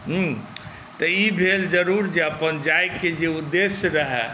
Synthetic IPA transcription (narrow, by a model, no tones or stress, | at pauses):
ɦə̃ | t̪əibʱeld͡ʒəɾuɾd͡ʒeəpənd͡ʒajked͡ʒeud̪ːesɾəɦɛ̰